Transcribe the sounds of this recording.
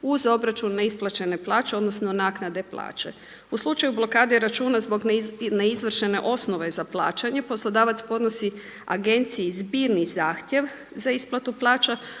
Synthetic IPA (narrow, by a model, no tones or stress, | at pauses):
uzo̞bɾat͡ʃunːaisplˠat͡ʃe̞ne̞plˠaːt͡ʃe̞o̞d̪no̞sno̞naknad̪e̞plˠa̰ːt͡ʃe | uslˠut͡ʃajublˠo̞kaːd̪iɾat͡ʃuːnazbo̞ɡneizʋr̩ʃene̞ʔo̞sno̞ʋe̞zaplˠa̰ːt͡ʃaɲe̞po̞slˠod̪aːʋat̪spo̞d̪no̞si | a̰ɡe̞nt̪sijizbiːɾnizaːxt̪je̞ʋ | zaisplˠat̪uplˠaːt͡ʃa